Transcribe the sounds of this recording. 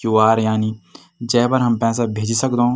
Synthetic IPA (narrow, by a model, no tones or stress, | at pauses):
uaːɾjaːni | d͡ʒɛːpəɾɦɐmpɛ̃ːsabʱeːd͡ʒisɐkd̪ɦõː